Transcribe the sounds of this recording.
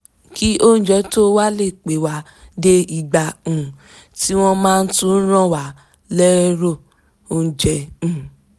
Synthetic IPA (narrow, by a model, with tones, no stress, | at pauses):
ki˦ʔo˦n̩˦d͡ʒɛ˨˦to˦wa˦le˦˨k͡pe˨˦wa˨˦ | de˦i˧ɡ͡ba˨ũ˨ | ti˦w̃ɔ̃˦mãː˦˧n̩˦tũ˧˦n̩˦ɾ̃ã˦˨wa˨˦ | lɛ˦ɾo˦˨ | o˦n̩˦d͡ʒɛ˧˦ũ˨